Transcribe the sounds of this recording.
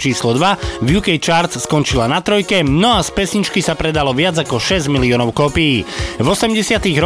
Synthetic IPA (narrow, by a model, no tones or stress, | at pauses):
t͡ʃiːslɔd̪ʋavjukɛjt͡ʃaːɾt͡sskɔnt͡ʃilanat̪ɾɔjkɛnɔaspɛsɲit͡ʃkisapɾɛd̪alɔʋɪad͡zakɔʃɛzɟmiliɔnɔʊkɔpijiːvɔsɛmɟɛsɪat̪iɣɾɔ